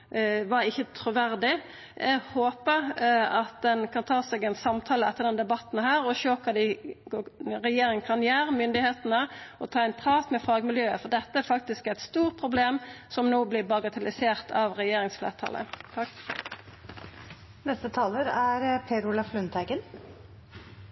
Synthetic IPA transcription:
ʋɑɾɪçːət̪ʰɾʊʋæʁd̪ɪ | ʔɛɡhoːpəɾɑt̪̚d̪ɛnkʰɑnt̪ʰɑːsɛɡɛnsɑmt̪ʰɑːləɛt̪ːəʁd̪ɛnd̪ɛbɑt̪ːn̩hæːɾɔʃøːkʰɑd̪ɪ | ʁɛjeːɾɪŋəkʰɑnjæːɾəmʏnd̪ɪheːt̪nəʔɔt̪ʰɑːɛɪnpʰʁɑːt̪mɛfɑːɡmɪljøːəfɔʁd̪ɛt̪ːəæɾfɑk̚t̪ɪskæɪt̪st̪uːʁt̪̚pʰʁʊbleːmsɔmnoːblɪbɑɡɑt̪ʰɛlɪseːʁt̪ʰɑʋʁɛjeːɾɪŋsflḛːʁt̪ʰɑ̰ːlə̰ | nɛst̪ət̪ʰɑːləɾæɾpʰeːɾʊlɑflʉnt̪ʰæɪɡən

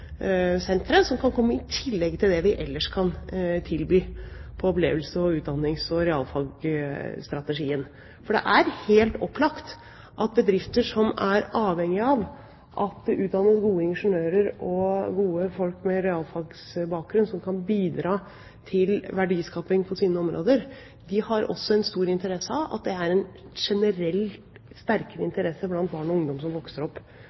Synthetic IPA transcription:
sɛnt̪ɾənsɔmkʰɑnkʰɔmːəɪt̪ʰɪlːɛɡ̚t̪ʰɪld̪ɛʋɪʔɛlːəʂkʰɑnt̪ʰɪlbyːpʰɔɔplḛːʋəlsəɔʉːt̪̚d̪ɑnːɪŋsɔɾɛɑ̰ːlfɑɡst̪ɾɑt̪əʂiːən | fɔɖɛ̰ʔæɾheːlt̪ɔpːlɑkt̪ | ʔɑt̪̚bəd̪ɾɪft̪əʂɔmæɾɑːʋhɛŋɪɑʋ | ʔɑt̪̚d̪ɛʔʉːt̪̚d̪ɑnːəsɡuːəɪŋʂʊnøːɾəɾɔɡuːəfɔlkmɛɾɛɑːlfɑɾɡsbɑːk̚ɡɾʉnsɔmkʰɑnbiːd̪ɾɑː | t̪ʰɪlʋæɖiːskɑːpɪŋpʰɔsiːnəɔmɾo̰ːd̪əɾ | d̪ɪhɑɾɔ̰sːɔɛnst̪uːɾɪnt̪əɾɛsːəɑʋɑ̰t̪̚d̪ɛæɾɛn | ʂɛnəɾɛl | st̪æɾkəɾəɪnt̪əɾɛsːəblɑnt̪̚bɑːɳɔʊŋd̪ɔmsɔmʋɔksəɾɔpː

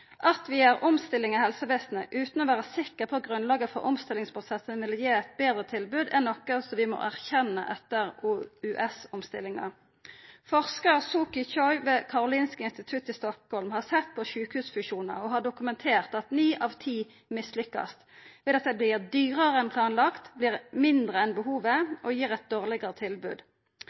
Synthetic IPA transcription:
ʔɑt̪ʋɪæʁʊmst̪ɪlːɪŋɑhɛlsəʋeːsnəʔʉːt̪n̩ɔʋæːʁəsɪkːəʁpʰɔɡʁʉnlɑːɡəfɔ̰ɾʔʊ̰mst̪ɪlɪŋspʰʁʊsɛsənʋɪljeːɛt̪̚beːd̪ʁət̪ʰɪlbʉːd̪ɛnɔkːəsɔmʋɪmɔ̰ʔæʁçɛnːə̰ʔɛt̪ːəʁuʉʔɛsʊmst̪ɪ̰lɪŋɑ̰ | fɔʁskəʁsuːkɪt͡ʃɔʏʋeːkʰɑʁʊliːnskəɪnst̪ɪt̪ʰʉt̪ːɪst̪ɔkhɔlmhɑʁsɛt̪̚pʰɔʃʉːkhʉːsfʉʃuːnə̰ɔɦɑɖʊkʉmɛnt̪ʰeːʁt̪ɑt̪niːʔɑːʋt̪ʰiː | mɪslʏkːɑ̰st̪ʋɛd̪ɑt̪̚d̪ɛblɪːʁd̪yːʁəʁəɛnpʰlɑːnlɑkt̪blɪːʁmɪnd̪ʁəɛnbəɦuːʋəʔɔjiːʁɛt̪̚d̪oːʁlɪɡɑʁət̪ʰɪlbʉ̰ːd̪

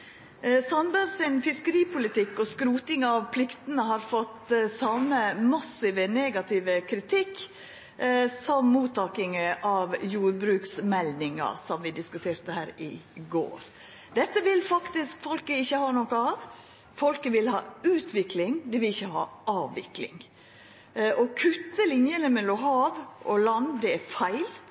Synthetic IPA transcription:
sɑnbæɾsɪnfɪskəɾiːpʰʊlɪt̪ɪkːɔskɾuːt̪ɪŋɑʋpʰlɪkt̪ənəɦɑɾfɔt̪ːsɑməmɑsɪʋəneːɡɑt̪ʰɪʋəkʰɾɪt̪ʰɪkː | sɔmːuːt̪ːɑːkɪŋəʔɑʋjuːɾbɾʉːksmɛlnɪŋɑ̰sɔmʋɪd̪ɪskʉt̪ʰeːɾt̪əhæːɾɪ̰ɡo̰ːɾ | d̪ɛt̪ːəʋɪlfɑkt̪ɪskfɔlkəɪçːəhɑːnɔkəɑʋ | fɔlkəʋɪlhɑ̰ːʉːt̪ʰʋɪklɪŋd̪ɪʋɪlɪçːəhɑ̰ːʔɑːʋːɪ̰klɪ̰ŋ | ʔɔkʰʉt̪ːəlɪnjənəmɛlɔɦɑːʋʔɔlɑnd̪ɛæɾfæɪl

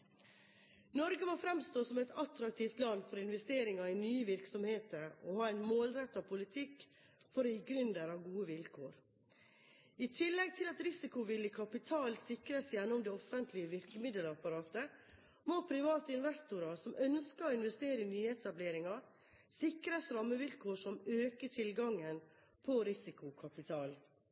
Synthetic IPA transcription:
nɔɾɡəmoːfɾɛmst̪oːsɔmɛɪt̪ɑt̪ɾɑkt̪ʰiːft̪lɑnfɔɾɪnʋɛst̪eːɾɪŋɑɪnyːəʋɪɾksɔmheːt̪əɾɔhɑːæɪnmoːlɾɛt̪ːɑpʰʊlɪt̪ʰɪkː | fɔɾɔjiːɡɾʉnd̪əɾɑʋɡuːəʋɪlkʰoːɾ | ɪt̪ʰɪlːɛɡ̚t̪ʰɪlɑt̪ɾɪsɪkʊʋɪlːəkʰɑpɪt̪ʰɑːlsɪkɾəsjæɳːɔmd̪ɛɔfənt̪ʰlɪəʋɪɾkəmɪd̪əlɑpɑɾɑːt̪ə | mopʰɾɪʋɑːt̪əɪnʋɛst̪ʊɾɑsɔmʔœnskəɾɔɪnʋɛst̪eːɾəɪnyːəɛt̪ɑbleːɾɪŋɑɾ | sɪkɾəsɾɑmːəʋɪlkʰoːʂɔmøːkəʈʰɪlɡɑŋːən | pʰɔɾɪsɪkʊkʰɑpɪt̪ʰɑːl

